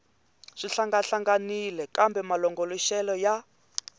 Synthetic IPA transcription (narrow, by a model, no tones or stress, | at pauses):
ʂiɬaŋɡaɬaŋɡanilɛkambɛmalɔŋɡolɔʃɛlɔja